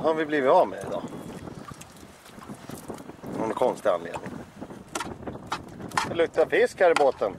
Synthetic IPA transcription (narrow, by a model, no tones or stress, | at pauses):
haɾvɪbliːvɪt̪ɑvmḛɪd̪ɑ̰ː | hɔnkʰɔnst̪ɪa̰nlḛːd̪nɪŋ | alɵk̚t̪ːafɪskhæːɾɪboːt̪ən